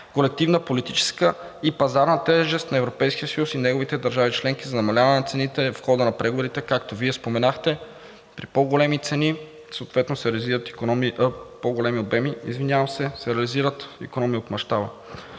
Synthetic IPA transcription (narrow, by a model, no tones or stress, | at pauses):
kolɛk̚t̪ivnəpolit̪it͡ʃɛ̥skə | ipɐzaɾnɐt̪ɛʒɛst̪nɐɛvɾopɛjskijəsɐjusinɛɡovit̪ɛd̪ɐɾʒavit͡ʃlɛŋk̟izɐnɐmɐlʲavɐnɛnɐt̪sɛnit̪ɛfxɔd̪ənɐpɾɛɡovoɾit̪ɛkakt̪oviɛspomɛnaxt̪ɛ | pɾipoɡolɛmit̪sɛni | soːt̪vɛt̪nosɛɾɛɐliziɾət̪i̥konɔmiʔəpoɡolɛmiobɛmiḭzvinʲjavɐmsɛsɛɾɛɐliziɾət̪ḭkonɔmiot̪mɐʃt̪abə